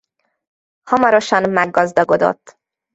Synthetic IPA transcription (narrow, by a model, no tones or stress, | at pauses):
hɒmaɾoʃanmæɡɒzd̪ɒɡod̪ɔ̰d̪